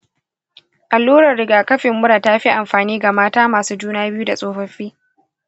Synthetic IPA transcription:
ʔa˨lːuː˦ɾɐ˨rːɪ˨ɡaː˨kɐ˦ɸɪ˨mːʊ˦ɽaː˨taː˦ɸi˦ʔa˨mɸaː˨niː˦ɡa˨maː˦taː˦maː˨suː˦d͡ʒuː˦naː˦bɪ˦ju˦da˨sʼoː˦ɸɐ˦ɸiː˦

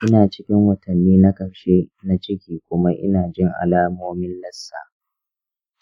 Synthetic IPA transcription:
ʔɪ˦naː˨t͡ʃɪ˦kʲɪ˦ŋwɐ˨tʰɐ˨nːiː˦na˦kɐ˨ɸʃe˦na˦t͡ʃɪ˦kʲiː˨kʷʊ˦ma˦ʔɪ̰˦naː˨d͡ʒɪ˦ŋʔa̰˨laː˦moː˦mɪ˦nlɐ˦sːa̰ː˨

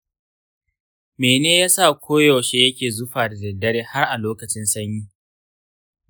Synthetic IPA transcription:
meː˨neː˦jaː˦sa˦˨kʷoː˦jɔ˨ʃe˦jɐ˦kʲeː˨zʊ˦ɸaː˨da˨zɪ˨dɐ˦ɽeː˦ha˦rʔa˨loː˦kɐ˨t͡ʃɪ˦nsɐ˦ɲjiː˦

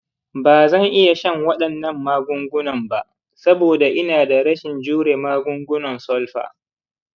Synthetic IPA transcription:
baː˨zɐ˦˨ŋʔɪ˦ja˨ʃɐ˦ŋwɐ˦ɗɐ˨nːɐ˦˨mːaː˦ɡʷʊ˦ŋɡʷʊ˦nɐ˨mba˨ʔ | sɐ˦boː˨da˨ʔɪ˦naː˨da˨ɽɐ˦ʃɪ˨nd͡ʒuː˦ɽeː˨maː˦ɡʷʊ˦ŋɡʷʊ˦nɔ˨nsɔ˦lɸa̰ː˨

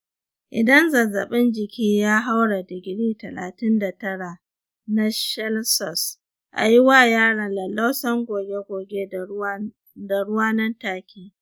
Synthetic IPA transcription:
ʔɪ̰˨dɐ˦nzɐ˨zɐ˨ɓɪ˦nd͡ʒɪ˨kʲʰiː˦jaː˦ɦa˦wɽa˨dɪ˨ɡʲɪ˨ɽiː˦tɐ˨la̰ː˨tɪ˦nda˨tɐ˦ɽa˨ | na˦ʃɛ˦lsɔ˨s | ʔa̰˨jɪ˦waː˦˨jaː˦ɽɐ˨nlɐ˨la˦wsɐ˦ŋɡʷoː˨ɡʲe˦ɡʷoː˨ɡe˦ | da˨ɽʊ˦waː˦nɐ˦ntaː˦kʲʰiː˦

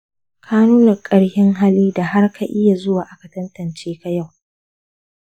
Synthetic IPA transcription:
kʰaː˦nuː˦nɐ˨rkʼɐ˨ɽhɪ˦ŋɦaː˦liː˦da˨ha˦rkʰa˨ʔɪ˦ja˨zʊ˦waː˨ʔa˦ka˨tɐ˦ntɐ˨nt͡ʃeː˦ka˨ja˦˨w

